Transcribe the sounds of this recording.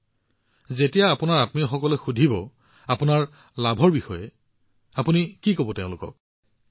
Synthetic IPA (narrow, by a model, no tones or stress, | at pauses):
zetijaːpʊnaɹatmiɔxɔkɔlɛxudʱibɔ | apʊnaɹ | labʱɔɹbixɔjɛ | apunikikobɔteʊ̃lʊkɔ̰k̚